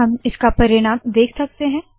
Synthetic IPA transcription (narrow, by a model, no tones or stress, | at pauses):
ɦɐmɪskapɐɾɪɽ̃ãːmd̪eːkʰsɐk̚t̪eɦɛ̃ː